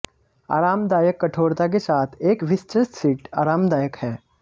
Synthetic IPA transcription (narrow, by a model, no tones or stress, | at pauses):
a̰ːɾaːmd̪aːjəkːɐʈʰoːɾt̪ak̬esaːt̪ʰeːkʋɪstɾəst̪siːʈa̰ːɾaːmd̪aːjəkhɛː